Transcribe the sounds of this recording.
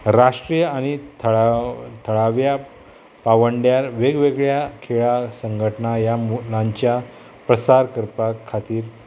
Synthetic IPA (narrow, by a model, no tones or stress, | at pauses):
ɾaʂʈɾijəañit̪ʰ | t̪ʰəɭaʋja | paʋəɳɖjaɾʋeɡʋeɡɭjakʰeɭasəŋɡʱəʈənajamulãɲt͡ɕja | pɾəsaɾkəɾpakʰːat̪iːɾ